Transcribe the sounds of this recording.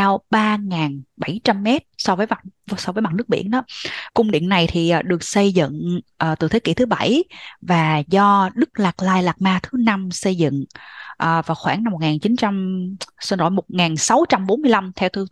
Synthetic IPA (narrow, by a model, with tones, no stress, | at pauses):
aː˧wɓaː˧ŋaː˨˩nɓa˧˩jt͡ɕa˧mːɛ˦˥t̚sɔ˧vəː˨˦jma˨˩t̚sɔ˧vəː˨˦jma˨˩t̚nɨ˦˥ək̚ɓḭ˧˩ənʔɗɔ˨˦kʊ˧ŋ͡mɗḭ˧˨ənːa˨˩jt̪ʰi˨˩ʔːɗɨ˨˩ək̚sə˧jzɨ̰˧˨ŋʔəː˨˩t̪ɨ̰˧˩t̪ʰe˨˦kḭ˧˥t̪ʰɨ˨˦ɓa˧˩jvaː˨˩zɔ˧ɗɨ˦˥k̚laː˨˩k̚laː˧jlaː˨˩k̚maː˧t̪ʰɨ˨˦na˧msə˧jzɨ̰˧˨ŋʔəː˨˩vaː˨˩wxwaː˧˩na˧mː˨˩t̚ŋaː˨˩nt͡ɕi˨˦nt͡ɕa˧msə˧nzo̰˧˩jmo˨˩t̚ŋaː˨˩nsa˨˦wt͡ɕa˧mɓo˨˦nmɨ˧əjla˧mt̪ʰɛ˧wt̪ʰɨ˧